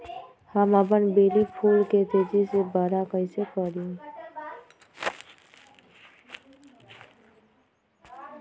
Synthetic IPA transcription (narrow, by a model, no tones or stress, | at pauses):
həməp̬ənbelipʰulket̪ed͡ʒisebəɾakəɪsekəɾĩ